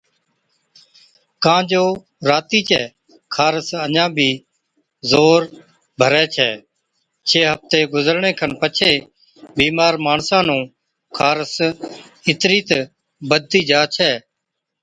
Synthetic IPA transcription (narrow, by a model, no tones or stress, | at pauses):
kãːd͡ʒoː | ɾaːt̪iːt͡ʃʰɛː | kʰaːɾəsəɲãːbʱiː | zoːɾ | bʱəɾɛːt͡ʃʰɛ̰ː | t͡ʃʰeːɦəft̪eːɡʊzəɾɳẽːkʰənpət͡ʃʰeː | biːmaːɾmaːɳsãːnũː | kʰaːɾəs | ɪt̪ɾiːt̪ | bəd̪ʱːiːd͡ʒaːt͡ʃʰɛː